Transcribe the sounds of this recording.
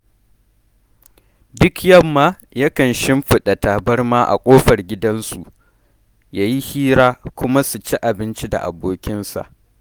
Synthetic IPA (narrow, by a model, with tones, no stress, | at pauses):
dʊ˦kjɐ˦˨mːaː˦ | jɐ˦kɐ˨nʃɪ˦mɸɪ˦ɗa˨ta˨bɐ˦rmaː˦ʔa̰˨kʷʼoː˦ɸɐ˨rɡʲɪ˦dɐ˦nsṵ˨ʔ | jaː˦ji˦hiː˦ɾaː˦kʷʊ˦ma˦su˨t͡ʃi˦ʔa˨bɪ˦nt͡ʃi˦da̰˨ʔa̰˨boː˦kʲɪ˦nsa̰˨ʔ